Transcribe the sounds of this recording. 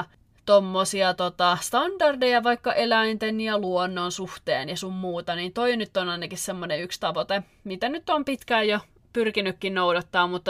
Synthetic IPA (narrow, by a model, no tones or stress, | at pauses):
t̪omːosiɑt̪ot̪ɑst̪ɑndɑrdejɑʋɑikːɑʔelæint̪enjɑluonːonsuht̪ḛːnjɑsummuːt̪ɑniːnt̪oinyt̪ːonɑinɑkissemːoneykst̪ɑʋot̪e | mit̪ænyt̪ːompit̪kæːjjo | pyrkinykːinnoudɑt̪ːɑːmmut̪ːɑ